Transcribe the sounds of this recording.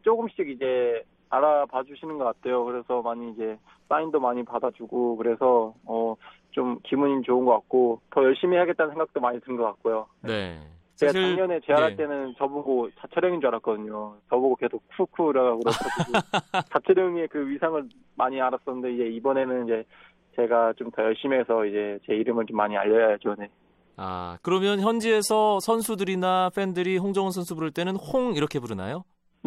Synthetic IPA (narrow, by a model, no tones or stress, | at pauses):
t͡ɕ͈oɡɯmɕ͈iɡid͡ʑe̞ | aɾapad͡ʑuɕʰinɯnɡʌk͈at̚tʰe̞jokɯɾe̞sʰʌmaɲiid͡ʑe̞ | s͈aindomaɲipadad͡ʑuɡokɯɾe̞sʰʌʌ | t͡ɕomkimuɲimit͡ɕoɯnɡʌk͈ak̚k͈otʌjʌɭɕ͈imihaɡet͈ansʰeŋɡak̚t͈omaɲitɯnɡʌk͈at̚k͈ojoe | t͡ɕeɡat͡ɕaŋɲʌne̞t͡ɕe̞aɾɦaɭt͈e̞nɯnt͡ɕʌbuɡot͡ɕat͡ɕʰeɾjʌŋid͡ʑuaɾak͈ʌdɯɲot͡ɕʌbuɡokedʰokʰukʰuɾaɡaɡuɾoaɡ | t͡ɕat͡ɕʰeɾʌɲiekɯɥisʰaŋɯɭ | maɲiaɾas͈ʌnːɯnde̞id͡ʑe̞ibʌne̞nɯnid͡ʑe̞ | t͡ɕe̞ɡat͡ɕomtajʌɭɕ͈ime̞sʰʌid͡ʑe̞t͡ɕe̞iɾɯmɯɭt͡ɕomːaɲia̰ʎːʌjʌd͡ʑone | a̰kɯɾʌmjʌnçjʌnd͡ʑie̞sʰʌsʰʌns̬ʰudɯɾinaɸʰe̞ndɯɾiɸoŋd͡ʑʌŋɯns̬ʰʌnsʰubuɾɯɭt͈e̞nɯnhoŋiɾʌkʰe̞puɾɯna̰jo